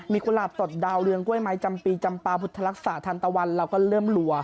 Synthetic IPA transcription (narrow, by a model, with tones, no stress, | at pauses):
miː˨˧ku˧laː˨˩so˨˩t̪̚daː˧wɾɯ˧əŋku˥˩əjma˦˥jt͡ɕa˧mpiː˧t͡ɕa˧mpaː˧pʰu˨˩t̪ʰːa˧la˦˥k̚saː˩˦t̪ʰaː˧nt̪a˧wa˧nlɛː˧wkɔː˥˩lɤː˥˩mlu˧˩ɐ